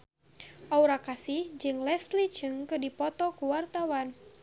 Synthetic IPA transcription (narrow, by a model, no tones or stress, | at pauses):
ʔauɾakasihd͡ʒɨŋlɛslit͡ʃɨŋkɨdipɔt̪ɔkuwart̪awan